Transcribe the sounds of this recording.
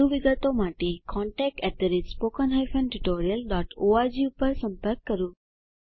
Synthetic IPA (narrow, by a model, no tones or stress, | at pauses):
uʋiɡət̪omaʈekɔɳʈɛk̚ʈɛt̪əɾispokənɦajfə̃nʈuʈoɾijəlɖɔʈoad͡ʒiupəɾsə̃mpəɾkːəɾjũ